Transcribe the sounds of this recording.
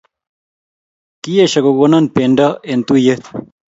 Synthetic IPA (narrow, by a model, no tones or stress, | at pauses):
kijeɕɐɡoɡonɐnpeːɳɖɐent̪uje